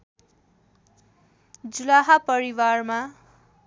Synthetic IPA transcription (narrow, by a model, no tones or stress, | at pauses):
d͡zulaɦapʌɾiwarma